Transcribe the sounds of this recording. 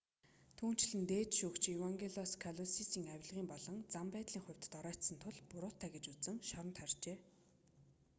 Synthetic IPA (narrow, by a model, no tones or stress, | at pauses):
t̪ʰuːn̥t͡ɕɮɘ̆nt̪eːt̪ʃukt͡ɕewaŋɡʲeɮɔskʰaɮɔsisiːŋawʲɪ̆ɮʁiːmpɔɮɞ̆ŋt͡sampæːt̪ɮiːŋχʊ̟wʲt̪̆t̪ɔɾœːt̪sə̆nt̪ʰʊɮpʊɾʊːt̪ʰːæːɡet͡ɕut͡sɘ̆ŋʃɔɾɞ̆nt̪χœrt͡ɕeː